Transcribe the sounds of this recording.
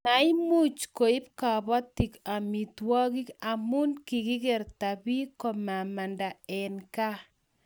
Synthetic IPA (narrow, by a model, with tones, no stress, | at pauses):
na˨i˦mu˦t͡ʃko˨ɪ˦pka˨bɔ˦ti˨ka˨mi˨twɔ˦ɡi˦ka˨mu˦nki˨ki˦ke˨ɾta˨bi˦kɔ˨ma˨ma˨nda˨ɛ˨nka˦